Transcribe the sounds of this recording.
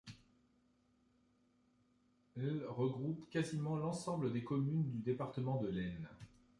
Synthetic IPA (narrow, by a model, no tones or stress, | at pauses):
ɛlʁəɡʁupkazimɑ̃lɑ̃sɑ̃bləd̪ekɔmynd̪yd̪epaʁt̪əmɑ̃d̪əlɛn